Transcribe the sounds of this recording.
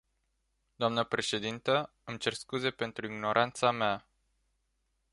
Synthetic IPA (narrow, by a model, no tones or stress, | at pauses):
d̪̥oamnəpɾe̞ʃe̞d̪int̪ə | ɨmt͡ʃe̞rskuze̞pe̞nt̪ɾuiɡno̞ɾʔant̪samea